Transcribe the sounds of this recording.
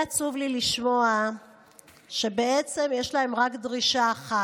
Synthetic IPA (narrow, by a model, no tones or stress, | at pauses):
at͡suvliliʃmo̞a | ʃe̞be̞e̞t͡se̞mjeʃlae̞mʁakdʁiʃaːχa